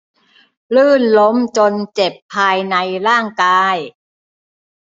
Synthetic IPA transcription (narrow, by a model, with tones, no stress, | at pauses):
lɯː˥˩nlo˦˥mt͡ɕo˧nt͡ɕe˨˩pʰːaː˧jna˧jɾaː˥˩ŋkaː˧j